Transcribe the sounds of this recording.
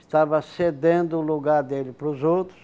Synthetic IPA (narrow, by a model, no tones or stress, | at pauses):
st̪avɐsed̪ẽnd̪ʊːluɡaɾd̪elɪpɾʊzowt̪ɾʊs